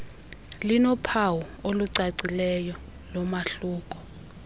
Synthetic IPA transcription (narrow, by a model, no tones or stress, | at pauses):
linɔpʰawɔoluǀaǀilɛjɔ | lɔmaɬuːk̬ʼɔ̥